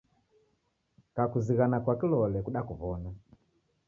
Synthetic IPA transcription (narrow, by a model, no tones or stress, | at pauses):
kakuziɣanakwakilɔlɛkuɗakuβɔna